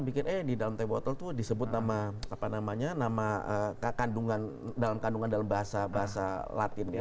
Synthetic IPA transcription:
bikɪnʔɛhdidalamt̪abɔt̪ɔlt̪udisəbʊt̪̚namaapanamaɲanamaəkkanduŋan | dalamkanduŋandalambaɦasabaɦasa̰la̰t̪ɪna

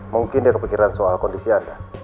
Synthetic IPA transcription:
muŋkindiakəpikiɾansoalkɔndisianda

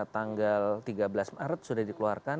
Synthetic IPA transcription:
t̪aŋɡalt̪iɡabəlasmaɾət̪̚sudahdikəluarka

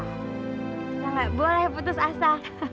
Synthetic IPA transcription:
kalaʔbolɛhput̪ʊsasa

